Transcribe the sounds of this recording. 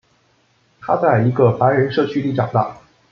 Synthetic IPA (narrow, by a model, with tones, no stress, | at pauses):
t̪ʰa˥t͡sa˥˩ɪi˧˥ɡə˧fa˧˥ɻə˧˥nʂɤ˥˧˩t͡ɕʰy˥li˥˩ʈ͡ʂɑ̰˨˩ŋd̪ɑ̰˥˩